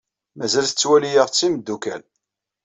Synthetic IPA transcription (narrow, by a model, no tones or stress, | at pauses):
mæzælθə̥t͡sːwælijəʁt͡sːiməd̪ːukæ̰l